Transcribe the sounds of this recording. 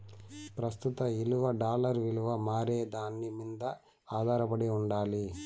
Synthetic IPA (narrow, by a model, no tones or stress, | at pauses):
pɾɐst̪ut̪ɐiluʋɐɖaːlɐɾʋiluʋɐmaːɾeːd̪aːnːimind̪ɐ | aːd̪ʱaːɾɐpɐɽiuɳɖaːli